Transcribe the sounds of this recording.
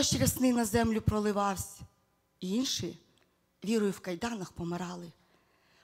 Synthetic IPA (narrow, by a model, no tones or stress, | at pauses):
ɔʃt͡ʃɾʲɐsnɪnɐzɛmlʲʊpɾɔlˠɪʋɑwsʲ | iinʃɪ | ʋʲiɾɔjʊwkɐjd̪ɑnɐxpɔmeɾɑlˠɪ